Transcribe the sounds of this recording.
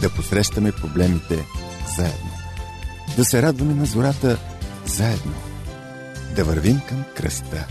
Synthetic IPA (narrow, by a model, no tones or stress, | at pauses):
d̪ɐposɾɛʃt̪əmɛpɾoblɛmit̪ɛ | zaɛ̰d̪no | d̪ɐsɛɾad̪vɐmɛnɐzoɾat̪ə | zaɛd̪no̰ | d̪ɐvəɾvimkɐmkɾɐ̰st̪ə